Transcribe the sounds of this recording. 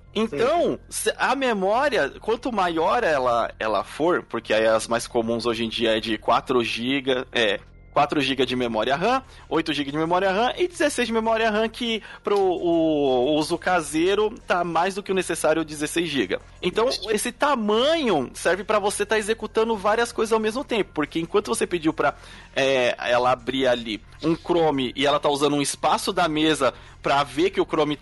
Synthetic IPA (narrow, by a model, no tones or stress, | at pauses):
ẽnt̪ɐ̃w̃sʔɐmemɔɾiɐkwɐ̃nt̪ʊmajɔɾɛlɐ̰ɛ̰lɐ̰foɾpoɾkʰeɛɐzmajskomũzoʒẽd͡ʒiɐɛd͡ʒɪkwa̰t̪ɾʊʒiɡɐɛ | kwat̪ɾʊʒiɡɐd͡ʒɪmemɔɾiɐɦɐ̃ | ojt̪ʊʒiɡɐd͡ʒɪmemɔɾiɐɦɐ̃ʔɪd͡ʒɪzesejzd͡ʒɪmemɔɾiɐɦɐ̃kɪpɾʊː | uzʊkazeɾʊt̪amajzd̪ʊkɪʊnesesaɾjʊd͡ʒɪzesejzʒḭɡɐ̰ | ẽnt̪ɐ̃w̃esɪt̪amɐ̃ɲʊsɛɾvɪpɾɐvoset̪aezekut̪ɐ̃nd̪ʊvaɾiɐskojzɐzawmezmʊt̪ẽpʊ̥poɾkeẽkwɐ̃nt̪ʊvoseped͡ʒiwpɾɐ | ɛɛlɐabɾiali | ũkɾõmɪʔɪɛlɐt̪auzɐ̃nũɪspasʊd̪ɐmezɐ | pɾɐvekɪʊkɾõmɪ